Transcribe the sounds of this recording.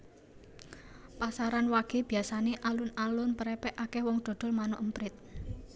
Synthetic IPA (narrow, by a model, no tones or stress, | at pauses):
pasaɾanwaɡ̥e̤b̥i̤asaneʔalʊnalʊnpəɾɛpɛʔakɛhwɔŋd̪̥ɔ̤d̪̥ɔ̤lmanʊʔəmpɾɪt̪̚